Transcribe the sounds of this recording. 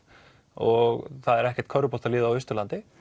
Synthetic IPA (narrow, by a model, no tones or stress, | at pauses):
ɔɣθaðɛɾɛhcɛ̥ɾ̥t̪kʰœɾʏpɔ̥t̪alɪːðaawʏst̪ʏlant̪ɪ